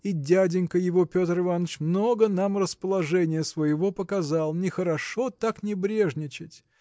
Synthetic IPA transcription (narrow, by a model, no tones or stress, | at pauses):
idʲædʲɪnʲkəjɪvo̞pʲo̞t̪rɨvanːət͡ɕmno̞ɡənamrəspəlˠɐʐɛnʲɪjəsvəjɪvo̞pəkɐzɑlˠnʲɪxəɾɐʂo̞t̪aknʲɪbɾʲe̞ʐnʲɪt͡ɕɪtʲ